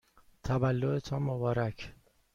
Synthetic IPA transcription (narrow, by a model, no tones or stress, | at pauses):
t̪ʰævælːoet̪ʰɒːmobɒːɾæcʰ